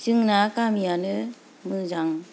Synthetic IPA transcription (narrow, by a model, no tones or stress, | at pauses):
t͡ʃɯŋnakamijanɯ | mɯzaŋ